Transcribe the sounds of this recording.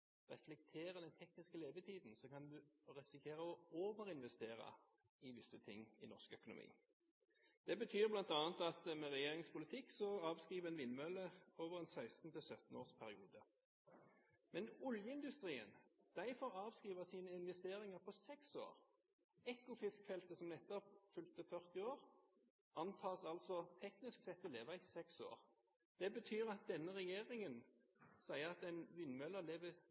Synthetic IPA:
ʁɛflɛk̚t̪ʰeːʁəd̪ɛnt̪ʰɛknɪskəleːʋət̪ʰiːd̪n̩sɔkɑnd̪ʉɾɛsɪkʰeːʁəɔoːʋəɾɪnʋɛst̪eːʁɑ̰ | ɪʋɪsːət̪ʰɪ̰ŋːɪ̰nɔʁskœkʊnʊ̰mʔḭː | d̪̥ɛbət̪ʰyːʁblɑnt̪ɑːnt̪ɑt̪mɛʁɛjeːʁɪŋspʊlɪt̪ʰɪkːsɔɑːʋskʁiːʋəɛnʋɪnmœləoːʋəʁɛnsæɪst̪n̩t̪ʰɪlsœt̪n̩oːʁspʰæʁɪuːd̪ə | mɛnɔljəɪnd̪ʉst̪ʁiːə̰nd̪̥æɪfɔʁɑːʋskʁiːʋəsiːnəɪnʋɛst̪eːɾɪŋəpʰɔsɛkso̰ːʁ | ɛkʊfɪskfɛlt̪əsɔmnɛt̪ɔpfʉlt̪əfœʁt̪ɪoːʁ | ɑnt̪ʰɑːsɑlsɔt̪ʰɛknɪsksɛt̪ːɔleːʋɑɪsɛkso̰ːʁ | d̪̥ɛbət̪ʰyːʁɑt̪̚d̪ɛnːəʁɛjeːʁɪŋən | sæɪəʁɑt̪ɛɪnʋɪnmœləleːʋə

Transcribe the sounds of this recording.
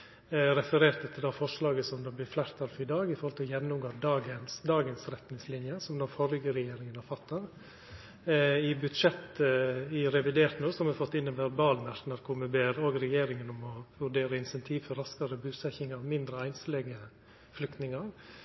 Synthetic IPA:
ɾɛfəɾeːɾt̪ət̪ʰɪld̪ɑfɔʂlɑːɡəsɔmd̪ɛblɪːflæːɾt̪ʰɑlfɔɾɪd̪ɑːɡɪfɔɾhɔlt̪ʰɪjɛnːʊmɡoːd̪ɑːɡənsd̪ɑːɡənsɾɛt̪nɪŋslɪnjəsɔmd̪oːfɔɾɡəɾɛjeːɾɪŋənɔfɑt̪ːəɾ | ɪbʉd̪ʂɛt̪ːɪɾɛʋɪd̪eːɾt̪nuːsɔmɛfɔt̪ːɪnːɛnʋæɾbɑːlmæɾt̪nɑɾkʰʊɾmɛbeːɾoːɡɾɛjeːɾɪŋənɔmɔʋʉɖeːɾəɪnsɛnt̪ʰiːʋfɔɾɑskɑɾəbʉːsɛçɪŋɑʋmɪnd̪ɾəæɪnslɛɡə | flʏkt̪nɪŋɑɾ

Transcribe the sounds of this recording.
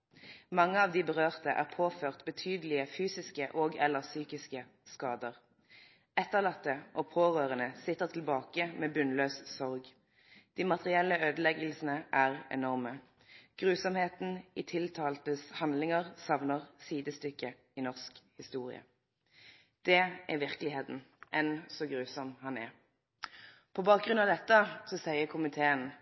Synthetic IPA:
mɑŋːəɑːʋd̪iːbəʁøːʁt̪əʔæ̰ːʁpʰoːføːʁt̪bət̪ʰyːd̪əlɪəfyːsɪskəʔoːɡɛləʁsyːkɪskə | skɑːd̪əʁ | ɛt̪ːəʁlɑt̪ːəʔoːpʰoːʁøːʁənəsɪt̪ːəʁt̪ʰlbɑːkəmeːbʉnløːssɔʁɡ | d̪̥iːmɑt̪ʁɪɛlːəøːd̪əlɛɡlsənəʔæːʁɛ̰nɔʁmə | ɡ̥ʁʉːsɔmheːt̪n̩ɪt̪ʰɪlt̪ʰɑːlt̪əshɑnd̪lɪŋəʁsɑʋnəʁsiːd̪əst̪ʏkːə | inɔʁskhɪst̪uːʁɪ̰ə̰ | d̪̥ɛʔæʋɪʁkəlɪheːt̪n̩ | ʔɛnsɔɡʁʉːsɔmhɑnɛʁ | pʰɔbɑːk̚ɡʁʉnɑʋd̪ɛt̪ːəsɔsæɪəʁkʰʊmɪt̪ʰeːən

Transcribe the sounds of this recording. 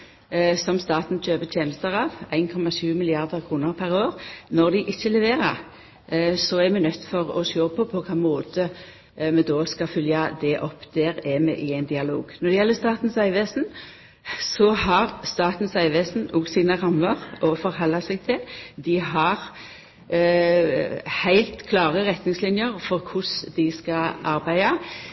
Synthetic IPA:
sɔmst̪ɑːt̪n̩c͡çøːbət̪ʰjeːnəst̪əʁɑːʋæɪnkʰɔmːɑʃʉːmɪlɪɑʁd̪əʁkʰʁuːnəʁpʰæɾoːʁnɔʁd̪ɪʔɪçːəlɛʋeːɾə̰ɾ | sɔɛɾmɛnœt̪ːfɔʁɔ̰ʃoːpʰɔpʰɔkʰɑːmoːt̪ə | mɛd̪ɔːskɑfʏljɑd̪ɛʔɔpːd̪ɛːɾʁɛmɛ̰ʔɪæɪnd̪ɪɑlo̰ːɡnɔɾd̪ɛjɛlːəst̪ɑːt̪n̩sæɪʋeːsn̩ | sɔhɑɾst̪ɑːt̪n̩sæɪʋeːsn̩ɔːɡsiːnəʁɑmːəʁʔɔfɔɾɦɔlːɑsɛɡ̚t̪ʰɪld̪ɪɦɑɾ | hæɪlt̪kʰlɑːʁəɾɛt̪nɪŋslɪnjəɾfɔɾkʰʊsd̪ɪskɑɑɾbæɪɑ

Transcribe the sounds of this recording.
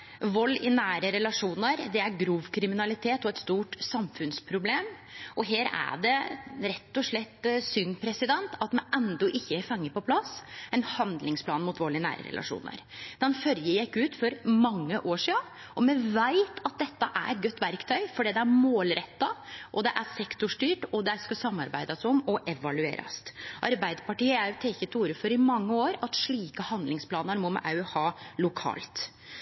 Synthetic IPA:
ʋɔlːɪnæːɾəɾɛlɑʂuːnəɾd̪ɛæɾɡɾuːʋkʰɾɪmɪnɑlɪt̪ʰeːt̪ɔɛt̪st̪uːʈsɑmfʉnspʰɾʊbleːm | ʔɔɦeːɾæ̰ɖɛɾɛt̪ːɔʂɭɛt̪ːsʏnpʰɾɛsɪd̪ɛnt̪ɑt̪mɛnɛnd̪ɔʔɪçːəæɾfɑŋːəpɔpʰlɑsɛnhɑnd̪lɪŋspʰlɑːnmʊt̪ʋɔlːɪnæ̰ːɾə̰ɾɛ̰lɑ̰ʂṵːnə̰ɾd̪̥ɛnfœljəjækːʉːt̪fɔɾmɑŋːəʔoːʂiːɑ | ʔɔmɛʋæɪt̪ʰɑt̪̚d̪ɛt̪ːəʔæ̰ɾɛt̪̚ɡœt̪ːʋæɾkt̪ʰœʏfɔɖiːd̪ɛæɾmoːlɾɛt̪ːɑʔɔd̪ɛʔæɾsɛkt̪ʊʂʈyːʈɔd̪ɛskɑsɑmːɑɾbæɪd̪ɑsɔmɔʔɛʋɑlʉḛːɾɑ̰st̪ʔɑɾbæɪd̪pɑʈiːəæɾjʊt̪ʰɛkət̪ʰːuːɾəfɔɾɪmɑŋːəoːɾɑt̪ʂɭiːkəhɑnd̪lɪŋspʰlɑːnəɾmɔmɛ̰ʔɑhɑːlʊkʰɑ̰ːlt̪

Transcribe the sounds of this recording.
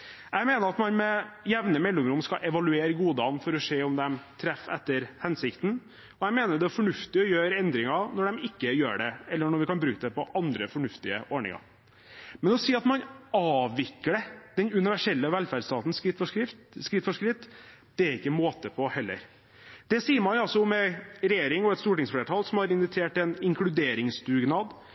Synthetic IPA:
ɛɡmeːnəɾɑt̪mɑnmɛjæʋnəmɛlːʊmɾʊmskɑʔɛʋɑlʉeːɾəɡuːd̪ɑnfɔɾɔʂeːɔmd̪ɛmt̪ʰɾɛfɛt̪ːəɾhɛnsɪkt̪n̩ | ɔæmeːnəɖɛfɔɳʉft̪ɪɔjøːɾɛnd̪ɾɪŋɑnɔɖɛmɪkːəjø̰ːɖɛɛlːəɳɔɾʋɪkɑnbɾʉːkəd̪ɛpɔʔɑnd̪ɾəfɔɳʉft̪ɪə̰ʔɔɳɪ̰ŋɑ̰ | mɛnɔsiːɑt̪mɑnɑːʋɪkːəɖɛd̪̥ɛnʉnɪʋæʂɛlːəʋɛlfæɖst̪ɑːt̪n̩sɪt̪fɔkɾɪft̪skɾɪft̪fɔʂkɾɪt̪ː | d̪̥ɛæɾɪkːəmoːt̪əpʰɔhɛlːə̰ɾ | d̪̥ɛsiːəɾmɑnɑlsɔmɛɾɛjeːɾɪŋɔɛt̪st̪uːʈɪŋsfleːʈʰɑːlsɔmhɑɾɪnʋɪt̪ʰeːʈɛnɪŋklʉd̪eːɾɪŋst̪ʉːɡnɑd̪

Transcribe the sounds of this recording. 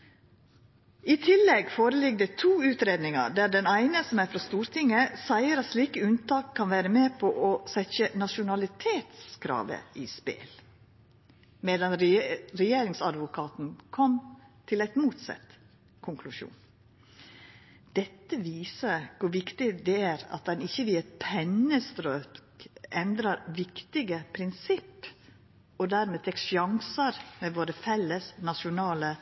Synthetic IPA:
it̪ʰɪlːɛɡfoːɾəlɪɡ̚d̪ɛt̪ʰuːʉːt̪ɾeːd̪nɪŋɑ̰ɖ̪æːɖɛnæɪnəsɔmæɾfɾɑst̪uːɾt̪ʰɪŋːəsæɪəɾɑt̪sliːkəʉnt̪ɑːkʰːɑnʋæːɾəmeːpʰɔʔɔsɛçənɑʃʊnɑlɪt̪ʰeːt̪skʰɾɑ̰ːʋə̰iːspḛl | mɛd̪ɑnɾɛjeːɾɪŋsɑd̪ʋʊkʰɑːt̪n̩kʰɔmt̪ʰɪlæɪt̪muːt̪sɑ̰t̪ː | kʰʊŋkʰlʉʃṵːn | d̪̥ɛt̪ːəʋiːsəɾkʰʊɾʋɪkt̪ɪd̪ɛæːɾɑ̰t̪̚d̪ɛnɪçːəʋɪɛt̪pʰɛnːəst̪ɾøːkʔɛnd̪ɾɑɾʋɪkt̪ɪɡəpʰɾɪnsɪpː | ɔd̪æːɾmeːt̪ʰɛkʃjɑŋsəɾmeːʋoːɾəfɛlːəsnɑʂʊnɑːlə

